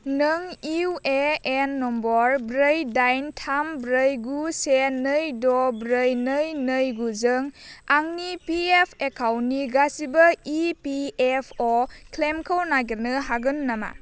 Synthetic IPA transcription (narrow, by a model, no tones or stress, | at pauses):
nɯŋiweenːɔmbɔɾbɾəjdajntʰambɾəjɡusenɯjdɔbɾəjnɯjnɯjɡuzɯŋaŋnipiepʰekʰawnːiɡasibɐipiepʰɔkʰlemkʰəwnaɡiɾnɯɦaɡɯnːama̰